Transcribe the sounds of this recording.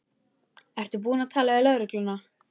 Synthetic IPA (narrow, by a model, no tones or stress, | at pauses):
ɛr̥t̪ʏp̬uːnat̪ʰaːlaɛlœðɾʏklʏna